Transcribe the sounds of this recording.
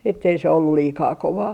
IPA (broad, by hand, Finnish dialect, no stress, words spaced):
etːei se olːul liːkɑː koʋɑː